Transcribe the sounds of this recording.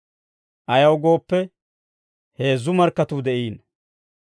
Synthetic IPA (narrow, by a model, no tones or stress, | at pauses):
ʔɐjɐwɡo̞ːpːɛ | he̞ːzːʊmɐɾkːɐt̪ud̪ɛʔiːn